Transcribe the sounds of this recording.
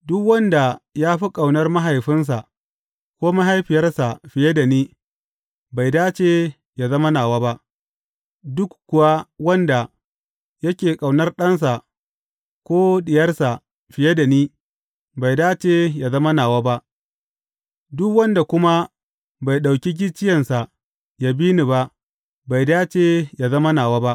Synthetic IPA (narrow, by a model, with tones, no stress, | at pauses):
dʊ˦kwɐ˦nda˨jaː˦ɸi˦kʼa˨wnɐ˦rma˦ɦa˨jɸɪ˦ns̬a˨ | kʷoː˦ma˦ɦa˦jɸɪ˨jɐ˦rsa˨ɸɪ˨je˦da˨niː˦ | ba˨jdaː˦t͡ʃeː˦ | ja˨zɐ˦mɐ˦naː˨waː˦ba˦ʔ | dʊ˦kkʷːʊ˨wa˦wɐ˦nda˨ | jɐ˦kʲeː˨kʼa˨wnɐ˦rɗɐ˦ns̬a˨ʔ | kʷoː˦ɗɪ˨jɐ˦rsa˨ | ɸɪ˨je˦da˨niː˦ | ba˨jdaː˦t͡ʃe˨ja˨zɐ˦mɐ˦naː˨waː˦ba˦ʔ | dʊ˦kwɐ˦nda˨kʷʊ˦ma˦ | ba˨jɗa˨wkʲi˦ɡʲɪ˦t͡ʃɪ˦jɐ˨nsa˨ | ja˨biː˦ni˨ba˦ʔ | ba˨jdaː˦t͡ʃe˨ja˨zɐ˦mɐ˦naː˨waː˦ba˦ʔ